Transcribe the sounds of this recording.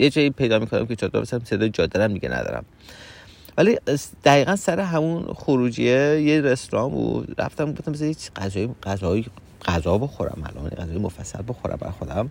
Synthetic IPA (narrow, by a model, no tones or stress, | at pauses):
jed͡ʒɒːjipʰe̞jd̪ɒːmikʰonæ̰mkʰet͡ʃʰɒd̪ɒ̰besææmseed͡ʒɒːd̪ːæɾæmd̪iɟʲenʔæ̰d̪ɒ̰ːɾæ̰m | vælid̪̥æɣiːɣænsæɾeɦæmunxoɾuːd͡ʒiejeɾesɾɒːmo̰ɾæ̰ft̪æmɡoft̪æmbes̬jecɢæzɒːjiɢæzɒji | ɢ̥æzɒːboxoɾæ̰mæ̰lʔɒ̰ːnjḛæzɒːjimofæsːæ̰lboxoɾæ̰mbæ̰ɾxod̪æm